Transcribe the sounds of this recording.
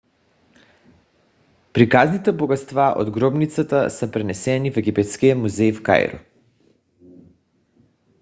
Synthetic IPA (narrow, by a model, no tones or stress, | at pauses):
pɾikaznit̪ɛboɡat̪st̪vaʔo̰d̪ɡɾɔbnit̪sat̪asɛpɾɛnɛsɛnifɛɡipɛt̪skijamuzɛjfka̰jɾɔ̰